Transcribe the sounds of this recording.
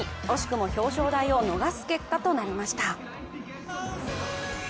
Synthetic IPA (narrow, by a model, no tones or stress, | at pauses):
o̞ɕi̥kɯ̟mo̞ço̞ːɕo̞ːd̪aio̞no̞ɡasɨ̥ke̞kːat̪o̞naɾʲimaɕi̥t̪a